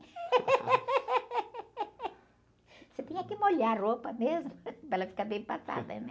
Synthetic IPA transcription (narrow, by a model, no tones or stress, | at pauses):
set̪ẽɲ̃ɐkɪmolaropɐmezmʊpelɐfi̥kaɾbẽj̃pasa̰d̪ɐ̰nɛ